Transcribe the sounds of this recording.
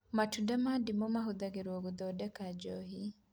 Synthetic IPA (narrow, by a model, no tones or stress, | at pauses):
matudamadimɔmaɦʊd̪aɡiɾwoɡud̪ɔdɛkad͡ʒɔɦi